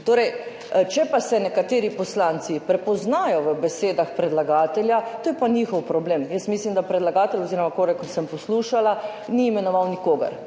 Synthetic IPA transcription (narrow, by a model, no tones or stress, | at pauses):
t̪oːɾɛj | t͡ʃɛpasɛnɛkat̪eːɾipɔslaːnt̪sipɾɛpɔznaːjɔʋəbɛseːd̪axpɾɛd̪laɡaːt̪ɛlʲjat̪oːjɛpaniːxɔwpɾɔbleːmjəsmislimd̪apɾɛd̪laɡaːt̪ɛlɔziːɾɔmakoɾɛksəmpɔsluːʃala | niːmɛnɔʋawnikoːɡɐ̰ɾ